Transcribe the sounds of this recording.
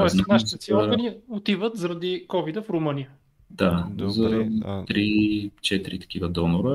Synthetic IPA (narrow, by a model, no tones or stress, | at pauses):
t̪ɔɛsnaʃit̪ɛsiɔɾɡəniot̪ivət̪zɐɾɐd̪ikɔvid̪əfɾʊmənijə | d̪azɐt̪ɾit͡ʃɛt̪ɾit̪ɐ̥k̟ivəd̪ɔnʊɾə